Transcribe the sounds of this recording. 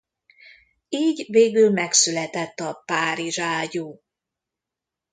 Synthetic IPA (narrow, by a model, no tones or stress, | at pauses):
iːɟveːɡylmɛksylɛt̪ɛt̪ːɒpaːɾiʒaːɟuː